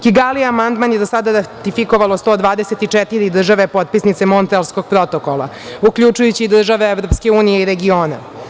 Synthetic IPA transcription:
kiɡaliamand̪manjed̪osad̪aɾat̪ifiko̞ʋalost̪od̪ʋaːd̪eset̪it͡ʂɛt̪iɾid̪r̩ʒaʋe̞po̞t̪̚pisnit̪se̞mo̞nt̪elsko̞ɡ̥̚pɾo̞t̪okolˠa̰ | ukʎut͡ʂujut͡ɕiːd̪r̩ʒaʋeevɾo̞pske̞uːnijeiɾeɡioːna̰

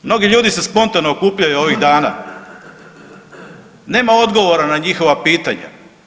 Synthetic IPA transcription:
mno̞ɡiʎuːd̪ise̞spo̞nt̪anookuːpʎajuo̞ʋiɣd̪aːna̰ | ne̞ːmao̞d̪ɡo̞ʋo̞ɾanaɲixo̞ʋapiːt̪aɲa̰

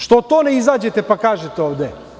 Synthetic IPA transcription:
ʃt̪ot̪oːneizaːd͡ʑet̪epakaːʒet̪eoːʋd̪e

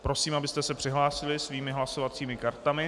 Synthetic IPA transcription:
pɾo̞siːmʔabɪst̪ɛsɛpr̥ɪɦlaːsɪlɪsviːmɪɦlaso̞vat͡siːmɪkaɾt̪amɪ

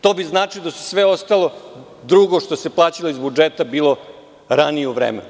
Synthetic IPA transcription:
t̪o̞biznaːt͡ʂilod̪asu̥sʋe̞o̞st̪alˠo̞ | d̪ɾuɡoʂt̪o̞se̞plˠaːt͡ɕiloizbud͡ʒet̪abiːlˠo̞ | ɾanijeuʋɾḛːmḛnu

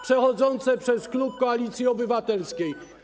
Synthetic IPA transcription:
pʂɛxɔd̪zɔnt̪sɛpʂɛsklupkɔalʲit̪sʲjiɔbɘvat̪ɛlskʲej

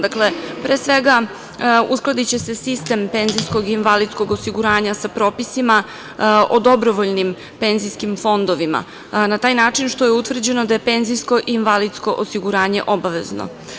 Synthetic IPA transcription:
d̪aklepɾeːsʋe̞ɡa | usklˠad̪it͡ɕe̞se̞sist̪e̞mpe̞nzijsko̞ɡiːnʋalid̪sko̞ɡosiɡuɾaːɲasapɾo̞ːpisima | od̪o̞bɾoʋoʎnim | pe̞nzijskimfo̞nd̪oʋima̰ | nat̪aːjnaːt͡ʂinʃt̪ojeut̪vr̩d͡ʑe̞nod̪ajepe̞nzijsko̞ʔiːnʋalid̪sko̞ʔosiɡuɾaːɲe̞̰ʔo̞baʋe̞̰zno̰

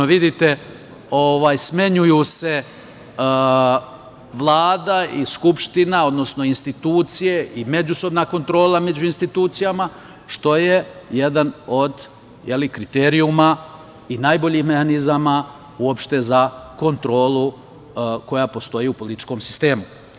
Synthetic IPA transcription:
oʋid̪it̪e̞ | o̞ʋaːjsme̞ɲujuse̞ | ʋlˠaːd̪aiskupʃt̪inao̞d̪no̞sno̞inst̪it̪uːt̪sije̞ʔime̞d͡ʑuso̞bnako̞nt̪ɾo̞ːlame̞d͡ʑuinst̪it̪uːt̪sijama | ʃt̪o̞je̞jed̪ano̞d̪ | jelikɾit̪eːɾiuma | inaːjbo̞ʎixme̞hanizama | uopʃt̪e̞zako̞nt̪ɾo̞ːlˠu | ko̞japo̞st̪o̞jiːupo̞lit̪i̥t͡ʃko̞msi̥st̪e̞ːmu

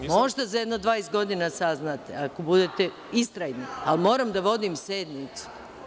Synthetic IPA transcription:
mo̞ʒd̪azajed̪nod̪ʋaːjes̚ɡo̞d̪inasaznat̪eako̞bud̪et̪e | ist̪ɾajnialmo̞ːɾamd̪aʋo̞d̪imsed̪nit̪su̥

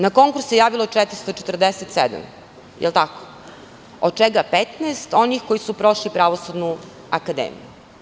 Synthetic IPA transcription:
nako̞ŋkuɾsejaːʋilot͡ʃɛt̪ɾist̪o̞t͡ʃet̪r̩d̪eset̪sḛd̪a̰m | jʔḛlˠt̪ako̥ | od̪̥̚t͡ʃeɡapet̪nɛest̪o̞nixko̞jisupɾo̞ʃlipɾaʋosud̪nu | akad̪ḛmḭju

